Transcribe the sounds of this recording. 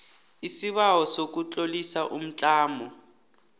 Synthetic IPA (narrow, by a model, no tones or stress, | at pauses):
isiβawɔsok̬ut͡ɬʼolisaʔum̩t͡ɬʼaːmɔ